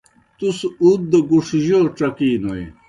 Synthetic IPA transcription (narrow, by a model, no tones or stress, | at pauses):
t̪usud̪̚d̪ɐɡuʂiʑoʈ͡ʂɐkiːnoj